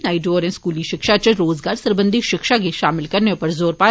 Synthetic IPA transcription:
naːɪɖoːɾɛ̃skuːliʃɪkʃat͡ʃəɾoːzɡaːɾsɐɾbə̃nd̪ʱiʃɪkʃakiʃaːmɪlkɐɾnepɐɾzoːɾpaː

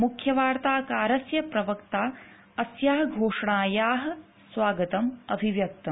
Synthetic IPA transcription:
mukʰjɐʋaːɾt̪aːkaːɾɐsjɐpɾɐʋɐkt̪aː | ɐsjaːɦɐɡʱoːʂɐɳaːjaːɦɐ̆ | sʋaːɡɐt̪ɐmɐbʱiʋjɐk̚t̪ɐm

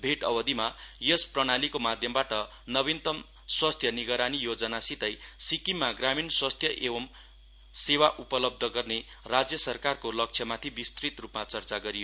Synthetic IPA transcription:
bʱeʈʌ̰bʌd̪imajʌsprʌɽ̃alikomad̪ʱjʌmbaʈʌ | nʌβint̪ʌm | swast̪ʰjʌniɡʌɾanijod͡zʌnasit̪ʌjsikimːaɡraminswast̪ʰjʌʔebʌm | sewaʔupʌlʌb̚d̪ʱʌɡʌrne | rad͡zjʌsʌrkarkolʌk̚t͡ʃʰjʌmat̪ʰibist̪rit̪rupmat͡sʌrt͡saɡʌɾijo

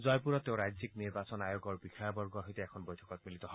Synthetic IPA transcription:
zɔjpuɹɔt̪ːeʊ̃ɹajzikniɹbasɔnajoɡɔɹbixajbɔɹɡɔɦɔjt̪ɛɛkʰɔnbɔjtʰɔ̥kɔt̪̚milit̪ɔɦɔ

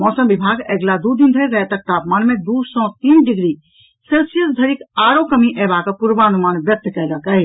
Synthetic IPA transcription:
mɔsəmbibʱaɡeɡlad̪ud̪ind̪ʱəjɾəet̪ək̚t̪apmanmed̪usɔ̃t̪inɖiɡɾi | selsijəsd̪ʱəɾikaɾokəmiʔɛbakepuɾbaənumanbjək̚t̪kɛləkəɦ

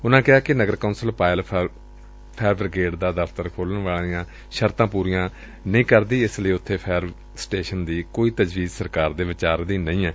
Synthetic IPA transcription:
ʊnãːkɪɦaːkɪnəɡəɾkaʊnsəlpaːɪl | pʰɛːɾbəɾɡeːɖd̪aːd̪əfʰt̪əɾkʰoːlənʋaːlijãː | ʃəɾt̪ãːpuːɾijãː | nəĩːkəɾd̪iːɪsləiːʊt̪ʰːeːpʰɛːɾ | sʈeːʃənd̪iːkoːiːt̪əd͡ʒʋiːzsəɾkaːɾd̪eːʋɪt͡ʃaːɾd̪iːnəĩːɛː

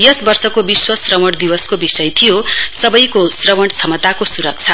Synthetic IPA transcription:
jʌsbʌrsʌkobiswʌsrʌmʌɽd̪iwʌskobisʌjt̪ʰijosʌbʌjkosrʌwʌɽt͡sʰʌmʌt̪akosuɾʌk̚t͡sʰʌ

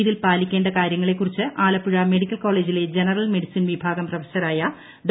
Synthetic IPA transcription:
ðilpaːlikʲːe̞ːɳɖɐkaːɾjɐŋːɐɭe̞kːurit͡ɕːɨʔaːlɐpːuɻɐme̞ɽikʲːɐlko̞ːɭe̞ːd͡ʑile̞d͡ʑenɐrɐlme̞ɽisinʋibʱaːɡɐmprɐʋɐɕɐɾaːjɐ | ɖ

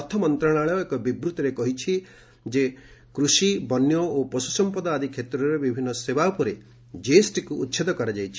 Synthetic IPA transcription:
ɔt̪ʰɔmɔnt̪ɾaɽ̃aɭɔekɔbibɾut̪ɔɾekɔɦit͡ʃʰi | d͡ʒe | kɾusibɔnjɔopɔsu̥sɔmpɔd̪aːd̪ʱikʰet̪ɾɔɾebibʱinːɔsebapɔɾe | d͡ʒesʈikuːt̪ːʃʰed̪ɔkɔɾad͡ʒajt͡ʃʰi̥

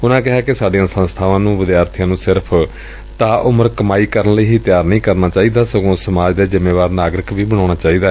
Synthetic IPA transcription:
ʊnãːkɪɦaːkesaːɖijãːsə̃nst̪ʰaːʋãːnũːʋɪd̪jaːɾt̪ʰijãːnũːsɪɾəpʰ | t̪aːʔʊməɾkəmaːiːkəɾənləiːɦiːt̪jaːɾnəĩːkəɾnaːt͡ʃaːiːd̪aːsəɡõːsəmaːd͡ʒd̪eːzɪmeːʋaːɾnaːɡɾɪkʋiːbəɽ̃ãːɽ̃aːt͡ʃaːiːd̪aː

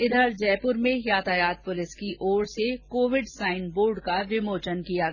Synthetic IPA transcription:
ɪd̪ʱəɾd͡ʒɛːpʊɾmẽjaːt̪aːjaːt̪̚pʊlɪskiʔoːɽsekoːʋɪɖsaːɪnboːɾɖkaʋɪmoːt͡ʃənkija

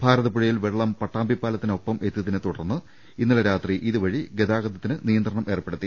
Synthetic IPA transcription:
b̥ʱaːɾɐðɐpuɻɐjilʋeɭːɐmpɐʈːaːmbʱipːaːlɐt̪ːino̞pːɐme̞t̪ːijɐðinɨt̪uɽɐrnːɨ | inːiɭɐɾaːt̪riʔiðɨʋɐɻiɡeðaːɡɐd̪ɐt̪ːinɨnijɐnd̪rɐɳɐmʔe̞ːrpːe̞ɽut̪ːi

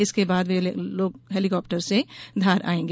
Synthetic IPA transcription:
ɪskebaːd̪ʋeloːɡɦeːlikɔːp̚ʈəɾsed̪ʱaːɾʔa̰ːẽːŋɡ

